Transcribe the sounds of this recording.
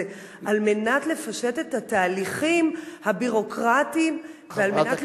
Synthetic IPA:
e | ʔalme̞nat̪le̞faʃe̞te̞thataːliχimhabiʁo̞kʁatimvealmenat

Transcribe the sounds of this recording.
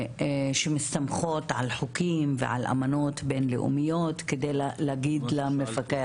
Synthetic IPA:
ʃemist̪amχo̞t̪ʕa̰lħokimvḛʕa̰lʔa̰mano̞t̪benlḛʔṵmijo̞t̪ked̪ejlleaɡid̪lamefake

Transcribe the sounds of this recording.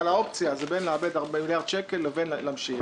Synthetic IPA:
alao̞pt͡sjazebenleabed̪aʁbemiljaʁd̪ʃekellevenlamʃi

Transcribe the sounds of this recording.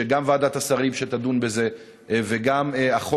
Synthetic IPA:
eɡamvad̪at̪asaʁimʃet̪ad̪unbeze̞ | veɡameaχo

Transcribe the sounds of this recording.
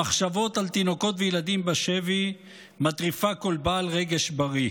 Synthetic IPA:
aχʃavo̞t̪alt̪ino̞ko̞t̪vejelad̪imbaʃevi | mat̪ʁifakolbaːlʁeɡeʃbaʁi

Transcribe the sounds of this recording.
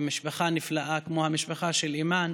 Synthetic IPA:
miʃbaχaniflaʔakmohamiʃbaχaʃeliman

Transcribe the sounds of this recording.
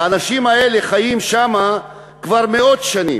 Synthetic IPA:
anaʃimae̞leχajimʃama | kvaʁmeo̞d̪ʃanḭ

